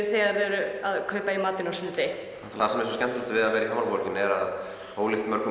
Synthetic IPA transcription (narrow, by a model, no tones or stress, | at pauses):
θiaðvɛɾʏaðkʰœːɥpaimaːt̪ɪnawsnt̪ɪ | θθasɛmɛɾns̬ɔscɛn̥t̪lɛlt̪ɪvɪðavɛːɾiɦaːmalpɔɾcɪnɛɾa̰ð | oːwlɪht̪mɛɾkʰɔ